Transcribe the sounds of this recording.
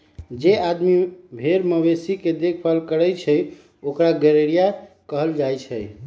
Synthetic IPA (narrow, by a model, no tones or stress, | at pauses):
d͡ʒead̪mibʱeɾməbesiked̪ekʰpalkəɾəjt͡ʃʰəj | okɾaɡɛɾeɾija | kəɦəld͡ʒajt͡ʃʰəj